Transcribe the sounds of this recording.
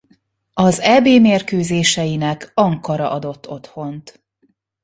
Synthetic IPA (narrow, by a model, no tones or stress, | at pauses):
ɒzɛːbeːmeːrkøːzeːʃɛjinɛkɒŋkɒɾɒ̰ʔɒd̪o̞t̪ːo̞t̪ho̞nt̪